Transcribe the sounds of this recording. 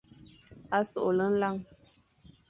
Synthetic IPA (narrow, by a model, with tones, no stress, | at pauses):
a˦so̰˨ʔo˨lə˦n̩˦la˦˨ŋ